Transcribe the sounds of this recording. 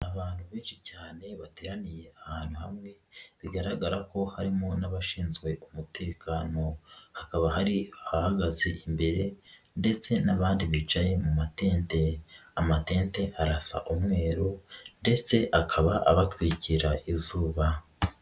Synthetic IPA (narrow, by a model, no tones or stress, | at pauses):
aβaːn̥huβiːnʃicaːne̞βateːɾanije̞ahaːn̥huhamŋe̞βiɡaɾaɡaɾako̞haɾimonaβaʃiːnzɡwe̞ʔumutʰe̞ːkʰano̞hakaβahaɾihaɡazeʔimbe̞ɾe̞ | nde̞t͡se̞naβaːndiβit͡ʃaje̞mumateːnte̞amate̞ːnte̞ʔaɾasa̰ʔumŋe̞ːɾunde̞t͡se̞ʔakʰaβaʔa̰βatwiciɾaʔizuːβa